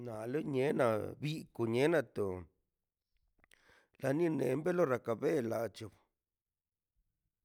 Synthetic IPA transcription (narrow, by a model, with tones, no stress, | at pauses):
na˨lo˦ɲe˨˦na̰˧bi˦ko˨ɲe˨˦na˧t̪o˨ | la˧nĩ˦nḛ˨˦mbe˦lo˦ɾa˨ka˧˨be˦la˨t͡ʃo˧˨b